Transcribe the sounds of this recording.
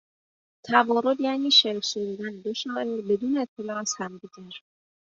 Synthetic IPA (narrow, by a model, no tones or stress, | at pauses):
t̪ʰæbɒːɾod̪jæːniːʃeɾsoɾud̪ænd̪oʃɒːebed̪uːneːt̪ʰːelɒːæshæmd̪iɡæɾ